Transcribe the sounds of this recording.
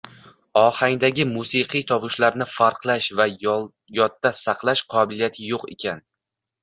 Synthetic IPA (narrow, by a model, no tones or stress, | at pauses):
ɒhaŋd̪aɡʲɪmusiqʰɨjt̪ʰɒvʊʃlaɾnɪfaɾqlˠaʃva | jɒt̪ːasɑqlˠaʃqʰɒbɪlijat̪ʰɪjoqe̞̰kʲʰan